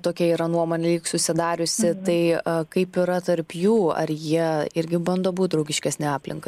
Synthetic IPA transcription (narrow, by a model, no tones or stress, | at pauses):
t̪oːkʲɛiːɾɐnuɔmoːnʲɛlʲiːksʊsʲɪd̪ɑːɾʲʊsʲɪt̪ɐɪɐkɐɪpiɾɐt̪ɐɾpjuːɐ̰ɾjiɛɪɾʲɡʲɪbɐnd̪oːbuːt̪̚d̪ɾɐʊɡʲɪʃʲkʲɛsʲnʲɪɑːpʲlʲɪŋkɐɪ